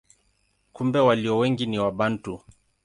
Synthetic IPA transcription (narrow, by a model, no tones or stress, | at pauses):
kumbɛwaliɔwɛŋɡiniwaɓantu